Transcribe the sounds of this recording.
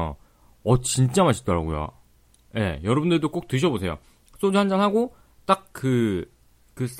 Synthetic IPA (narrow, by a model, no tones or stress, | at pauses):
ʌt͡ɕint͡ɕ͈amaɕʰi̥k̚t͈ʌɾa̰ɡojo̰ | je̞̰jʌɾʌbundɯɭdok͈ok̚t͈ɯɕʰʌbosʰe̞jo̰ | s͈od͡ʑuɦand͡ʑanɦaɡo | t͈ak̚kɯ | kɯs͈